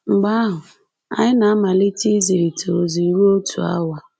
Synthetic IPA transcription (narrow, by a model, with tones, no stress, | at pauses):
ŋ͡m̩˨ɡ͡ba˦ɦʊ˨ | a̰˨ɲɪ˦na˨a˦ma˨li˦ti˦zi˨ɾi˨to˨zi˨i˨we˦o˦tʰṵ˨a̰˦wa˨